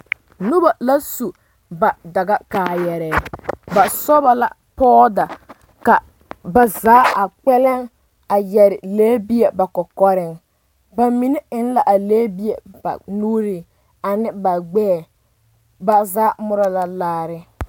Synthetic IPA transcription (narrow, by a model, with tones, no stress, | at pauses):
nʊ˦ba˨la˦su˨ | ba˨da˨ɡa˦kaː˨jɛ˨ɾɛː˨ba˨sɔ˦ba˨la̰˦ | pɔː˦da˨ | ka˨ | ba˨zaː˦a˨k͡pɛ˦lɛ˦ŋ | a˨jɛ˨ɾɪ˨leː˦bi˦e˨ba˨kɔ˨kɔ˦ɾɪ˦ŋ | ba˨mi˨˦nɛ˦ɪ˦n˦la˨ʔa˨leː˦bi˦e˨ba̰˨nuː˦ɾɪ˨ | a˨nɪ˦ba˨ɡ͡bɛː˦˨ | ba˨zaː˨˦mʊ˦ɾa˨la˦laː˦ɾɪ˦